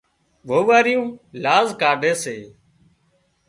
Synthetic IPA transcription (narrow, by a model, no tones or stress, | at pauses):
ʋoːʋaːɾɪjũːlaːzkaːɖʱeːseː